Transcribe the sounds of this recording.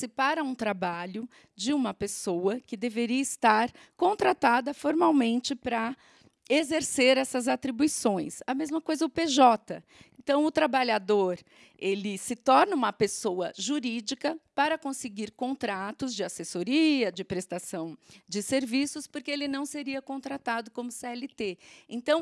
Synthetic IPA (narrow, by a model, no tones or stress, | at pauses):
sɪpaɾɐũt̪ɾabaʎʊ | d͡ʒɪũmɐpesowɐkɪd̪eveɾiɐɪst̪aɾ | kõnt̪ɾat̪ad̪ɐfoɾmawmẽnt͡ʃɪpɾɐ | ezeɾseɾɛsɐzat̪ɾibuisõj̃sɐmezmɐkojzɐʊpeʒɔt̪ɐ | ẽnt̪ɐ̃w̃ʊt̪ɾabaʎad̪oɾ | elɪsɪt̪ɔɾnɐũmɐpesowɐʒuɾid͡ʒikɐpaɾɐkõsɪɡiɾkõnt̪ɾat̪ʊzd͡ʒɪasesoɾiɐd͡ʒɪpɾest̪asɐ̃w̃d͡ʒɪseɾvisʊspoɾkeelɪnɐ̃w̃seɾiɐkõnt̪ɾat̪ad̪ʊkõmʊseɛlɪt̪eẽnt̪ɐ̃w̃